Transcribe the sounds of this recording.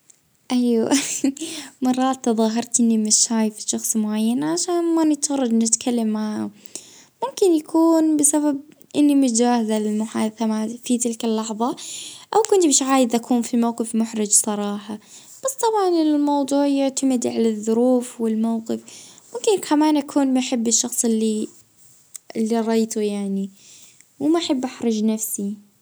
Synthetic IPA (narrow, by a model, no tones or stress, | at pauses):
ʔaja | mɑrˤːɑːt̪ːðˤɑːɦɑɾˤt̪ʔɪnːimɪtːaːjfi̥ʃɑxsˤmʊʕajːanʕaʃaːnmanɪt̪ɣɑrˤːɑd͡ʒnɪt̪kʰalːamːʕaha | mʊmkɪnjakʰuːnbɪsabab̚ | ʔɪnːimʊt̪d͡ʒaːhɪzalɪlmʊħaːd̪θamafit̪ɪlkalːɑħðˤɑʔawkʊnt̪beːʃʕaːjɪd̪ʔakʰuːnfimawqɨfmʊħɾɪd͡ʒsˤɑɾˤɑːħɑ | b̥asˤt̪ˤɑbʕɑnɪlmɑwd̪ˤuːʕjʊʕt̪amɪd̪ʕalaðˤːʊɾuːfwɪlmawqɪfmʊmkɪnkʰamaːnʔakʰuːnmaħɪbːɪʃːɑxsˤɪlːi | ʔɪlːiɾˤɑjt̪ujaʕni | wɪmaʔaħɪbːʔaħɾˤɑd͡ʒnafsi